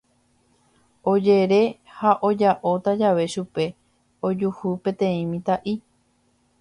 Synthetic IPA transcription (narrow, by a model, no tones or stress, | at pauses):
od͡ʒe̞ɾe̞haʔo̞d͡ʒaʔo̞t̪ad͡ʒaʋe̞ʃupe̞ | o̞d͡ʒuhupẽ̞t̪ẽ̞ĩmĩt̪aʔi